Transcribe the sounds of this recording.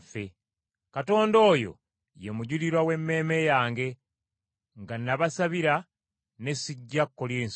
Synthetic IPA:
fe | kato̞ːndo̞ːjo̞̰ | je̞muɟuliɾwawe̞mːe̞ːme̞jaːŋɡe̞ | ŋɡanːaβasaβiɾa | ne̞siɟːakːoljeːns

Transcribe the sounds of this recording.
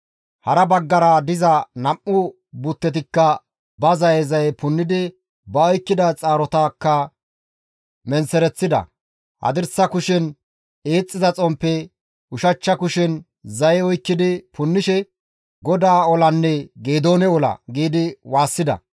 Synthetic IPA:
hɐɾɐbɐɡːɐɾɐd̪ɪzɐnɐmːʊ | bʊt̪ːɛt̪̬ɪkːɐ | bɐzɐjɛzɐjɛpʊnːɪd̪ɪ | bɐɔjkːɪd̪ɐt͡sʼaːɾɔt̪aːkːɐ | mɛnsɛɾɛt͡sːɪd̪ɐ̰ | hɐ̰d̪ɪɾsɐkʊʃɪn | eːt͡sʼːɪzɐt͡sʼɔmpːɛ | ʊʃɐt͡ʃːɐkʊʃɪn | zɐjɛɔjkːɪd̪ɪpʰʊnːɪʃɛ | ɡɔd̪aːɔlɐnːɛɡeːd̪o̞ːnɛɔlɐ̰ɡiːd̪ɪwaːsːɪd̪ɐ̰

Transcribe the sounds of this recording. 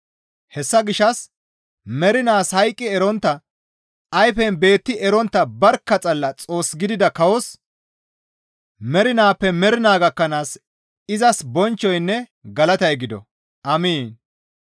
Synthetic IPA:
hɛsːɐɡɪʃːɐs | mɛɾɪnaːshɐjkʼːɪɛɾɔnt̪ːɐ | ɐjfɛnbe̞ːt̪ːɪʔɛɾɔnt̪ːɐbɐɾkːɐt͡sʼɐlːɐt͡sʼo̞ːsɡɪd̪ɪd̪ɐkɐwɔs | mɛɾɪnaːpːɛmɛɾɪnaːɡɐkːɐnaːs | ɪzɐsbɔnt͡ʃːɔjnːɛɡɐlɐt̪ɐjɡɪd̪ɔ̰ | ʔɐmiːn

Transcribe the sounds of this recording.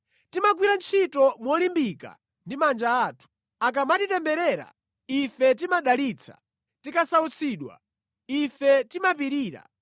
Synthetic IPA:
timaɡ̬wiɾant͡ʃʰitɔmwɔlimbika̰ | ndimand͡ʒaːtʰu̥ | ak̬amatitɛmbɛɾɛːɾa̰ | ifɛt̬imaɗalit͡sʰḁ̰ | tikasaut͡sʰiːɗwa̰ | ifɛtimapiɾiːɾa̰

